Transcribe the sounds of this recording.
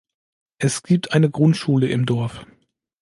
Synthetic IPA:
ʔɛsɡ̥iːp̚tʔaɪnəɡʁʊntʃuːləʔɪmdɔɐf

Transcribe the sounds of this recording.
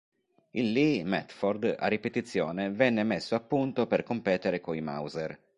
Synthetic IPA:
ilːimɛ̰t̪fɔrd̪a̰rːipet̪it̪sːjɔːnevɛnːemesːoapːunt̪operkompɛːt̪eɾekoima̰wzeɾ

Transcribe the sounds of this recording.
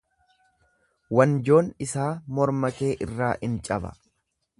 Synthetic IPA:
wɐnd͡ʒo̞ːnɪsaːmɔɾmɐke̞ːʔɪrːaːʔɪnt͡ʃʼɐbɐ̰

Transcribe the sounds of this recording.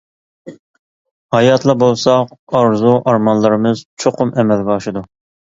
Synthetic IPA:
hɑjɑt̪ʰlˠɨbolˠsɑqɑɾzuʔɑɾmɑnlˠɨɾɨmɨz̥t͡ʃʰoqʰʊmʔɛmɛlɡʲɑɑʃɨd̪u

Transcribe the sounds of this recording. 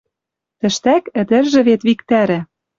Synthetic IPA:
t̪ɘ̆ʃt̪ækɘ̆d̪ɘ̆rʒɘ̆βet̪βikt̪æɾɘ̆

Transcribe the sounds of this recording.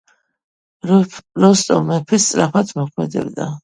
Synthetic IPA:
ɾɔst̪ʼɔ̰mɛpʰist̪sʼɾapʰat̪ʰmɔkʰmɛ̰d̪ɛ̰bd̪a̰

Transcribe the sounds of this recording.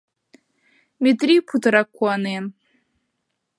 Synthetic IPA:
metripʰutʰɾakʷːanen

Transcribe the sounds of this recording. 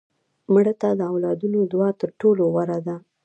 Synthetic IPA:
mɽət̪ad̪əawlɑd̪unod̪wɑt̪əɾʈolowaɾad̪a

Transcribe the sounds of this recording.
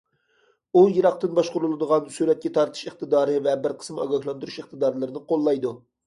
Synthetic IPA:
ujɨɾɑq̚t̪ɨnbɑʃqʊɾulˠɨd̪əʁɑnsyɾɛt̪̚kʲɛt̪ʰɑɾt̪ʰɨ̥ʃeχt̪ɨd̪ɑːɾɨvɛbɪɾqʰə̥smɑ̰ɡɑhlˠɑnd̪uɾuʃeχt̪ɨd̪ɑːɾlˠɨɾɨnɨqʰolˠːɑjd̪u

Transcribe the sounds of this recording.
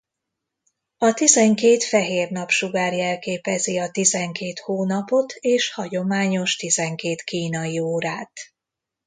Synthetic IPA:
ɒt̪izɛŋkeːt̪fɛɦeːrn̪ɒpʃuɡaːrjɛlkeːpɛziɒt̪izɛŋkeːt̪hoːnɒpo̞t̪ʰeːʃhɒɟo̞maːɲo̞ʃt̪izɛŋkeːt̪kiːnɒjioːɾaːt̪

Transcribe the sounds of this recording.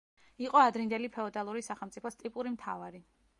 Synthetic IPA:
iqʼɔad̪ɾind̪ɛlipʰɛɔt̪ʼalˠuɾisaχɛlˠmt̪sʼipʰɔst̪ʼipʼuɾimt̪ʰa̰vaɾi

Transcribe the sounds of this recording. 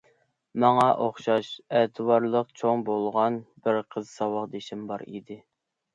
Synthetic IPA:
mɑŋɑʔoχʃɑʃɛt̪ʰɨwɑɾlˠəqt͡ʃʰoŋbolˠʁɑnbɪɾqʰəzsɑwəqd̪eʃɪmbɑ̰ɾḭd̪ɪ

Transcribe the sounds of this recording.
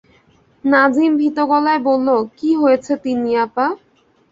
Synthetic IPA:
nad͡ʑimbʱit̪oɡɔlaebolːokiɦojet͡ɕʰet̪iniapa

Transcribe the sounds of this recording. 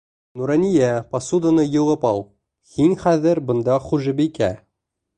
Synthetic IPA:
nuɾanʲijæpɐsud̪ənɤjɤ̆lˠɤpɑlˠ | hiŋχæðɘɾbɤ̆nd̪ɑχuʒɘbikæ

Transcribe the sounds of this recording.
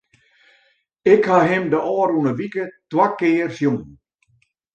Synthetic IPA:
ɪkhaɦɪmdəʔɔːɾunəʋikətwakɪːrsjuŋ

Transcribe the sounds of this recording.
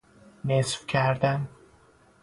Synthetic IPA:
nesfcʰæɾd̪æn

